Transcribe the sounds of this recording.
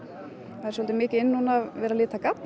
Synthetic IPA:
aðɾsɔlt̪ɪmɪːcɪɪnːuːnavvɛːɾalɪːt̪akat̪

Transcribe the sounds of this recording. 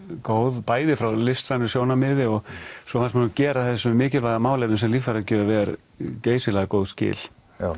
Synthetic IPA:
kowðpaːjðɪfɾawlɪst̪ɾanɪsjoːwnamɪːðɪɔɣsɔθansmancɛːɾaθɛsːʏmːɪːcɪlvaːɣamaːwlejp̪nɪnsɛmlifaɾacœːðʏvɛːɾ | ceːjsɪlɛɣakowðscɪ̰ːl̥

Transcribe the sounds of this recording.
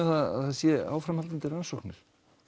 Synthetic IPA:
θaða̰ðasjɛa̰ːwfɾamhalt̪ant̪ɪransɔwknɪɾ̥

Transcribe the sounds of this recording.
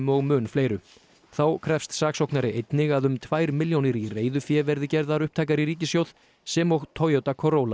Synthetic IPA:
mɔɣmʏːnfleːjɾʏ | θawkʰɾɛfst̪saːksowhknaɾɪʔejt̪nɪɣaðʏmt̪ʰvaːjɾmɪljownɪɾireːjðʏfjɛːvɛɾðɪcɛɾðaɾʏhpt̪ʰaːjkaɾiɾiːcɪsjowð̥ | sɛmowɣt̪ʰowjowt̪akʰɔɾoːwla

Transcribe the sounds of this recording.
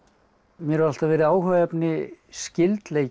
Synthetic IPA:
mjɛɾɛval̥t̪avɛːɾɪðaːwɦœːvɛpnɪscɪlt̪leːj

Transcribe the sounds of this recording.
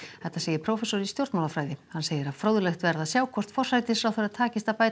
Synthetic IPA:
θɛht̪ːaseːjɪɾ̥pʰɾowfɛsɔɾist̪jowɾt̪mawlafɾaːjðɪhanːseːjɪɾaðfɾoːwðʏlɛxt̪vɛɾðasjaːwkʰɔr̥t̪fɔr̥sajt̪ɪsɾawθeɾaðt̪ʰaːcɪst̪apaːjt̪

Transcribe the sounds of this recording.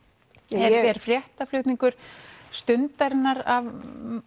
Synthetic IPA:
ɛɾɛɾ̥fɾjɛht̪aflʏɥht̪niŋkʏɾ̥st̪ʏnt̪aɾɪnːaɾav

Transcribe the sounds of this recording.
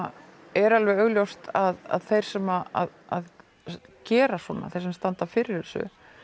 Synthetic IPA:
ɛɾalvɛœɣljowst̪aða̰ðθejɾ̥sɛmaa̰ðað | cɛːɾaswɔna̰θejɾsɛmst̪ant̪afɪːɾɪɾ̥ɛsʏ̰

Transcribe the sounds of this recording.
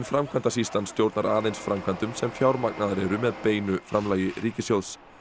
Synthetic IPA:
nfɾamkʰvant̪asist̪anst̪jowɾt̪naɾaːðejnsfɾamkʰant̪ʏmsɛmfjawɾmak̚naðaɾɛɾʏmɛðpeːjnʏfɾamlaːjɪriːcɪsjowðs

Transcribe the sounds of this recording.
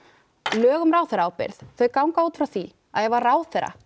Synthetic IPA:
lœːɣʏmraːwθɛɾaaːwpɪ̰ɾθθœɥkawŋkaoːt̪fɾawθi | aðjɛɣvaɾraːwθɛɾa̰

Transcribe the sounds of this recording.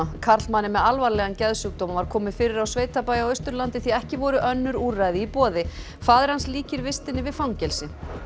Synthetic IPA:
kʰaɾt̪manːɪmɛðalvaɾlɛɣancɛðsʏk̚t̪oːmavaɾ̥kʰɔːmɪfɪːɾɪɾawsveːjt̪apaːjawœɥst̪ʏɾlant̪ɪθiɛhcɪvɔɾʏʔœnːʏɾurajðɪipɔːðɪ | faðɛɾ̥hansliːcɪɾvɪst̪ɪnːɪvɪðfawŋcɛlsɪ

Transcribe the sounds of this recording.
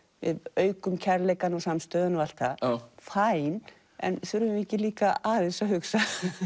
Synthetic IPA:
vɪðœːɥkʏmcʰɛɾlɛjkanɔsamst̪œːðʏnval̥t̪afajn | ɛ̰nθʏɾʏɛhcɪliːkaaːðɪnsaɦʏksa

